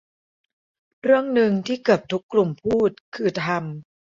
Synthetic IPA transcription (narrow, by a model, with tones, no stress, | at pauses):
ɾɯ˥˩əŋnɯ˧ŋt̪ʰiː˥˩kɯ˨˩əp̚t̪ʰu˦˥kːlu˨˩mpʰuː˥˩t̪̚kʰɯː˧t̪ʰa˧m